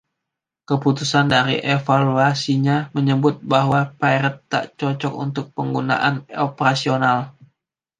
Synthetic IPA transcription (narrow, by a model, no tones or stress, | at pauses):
kəput̪usandaɾḭʔefaluasiɲaməɲəbʊt̪̚baɦwapaiɾət̪ːa̰ʔt͡ʃɔt͡ʃɔkṵnt̪ʊk̚pəŋɡuna̰ʔanopəɾasional